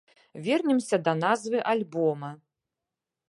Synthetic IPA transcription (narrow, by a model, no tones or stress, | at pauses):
vʲɛrnʲɛmsʲɐd̪ɐnazvɨʔalʲbɔmɐ